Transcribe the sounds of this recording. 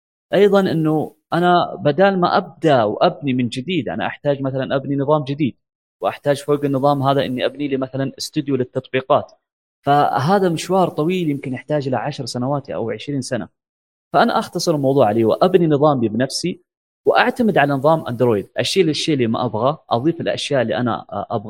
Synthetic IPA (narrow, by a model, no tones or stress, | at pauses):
ʔɑjðˤɑnʔɪnːu | ʔanabad̪aːlma̰ʔab̚d̪awʔabnimɪnd͡ʒɪd̪iːd̪ʔa̰na̰ʔa̰ħt̪aːd͡ʒmaθalanʔabninɨðˤɑːmd͡ʒɪd̪iːd̪̚ | wʔaħt̪aːd͡ʒfoːɡɪnːɨðˤɑːmɦaːðaʔɪ̰nːiʔabniliːmaθalanɪst̪ʊd̪julɪt̪ːɑt̪ˤbiːqɑːt̪ | faɦaːðamɪnʃwɑːɾˤt̪ˤɑwiːljɪmkɪnʔɪħt̪aːd͡ʒʔɪlaʕaʃɾˤsanawaːt̪iʔa̰wʕɪʃɾiːnsana̰ | faʔana̰ʔɑxt̪ɑsˤɨɾɪlmɑwðˤuːʕaliːwʔabninɨðˤɑːmbibnafsi | wʔaʕt̪amɪd̪ʕalanɨðˤɑːmʔa̰nd̪ɾoːjd̪ʔaʃːeːlɪʃːeːʔlːiːma̰ʔabɣaʔɑðˤiːfɪlʔa̰ʃjaːʔɪlːḭʔana̰ʔabɣa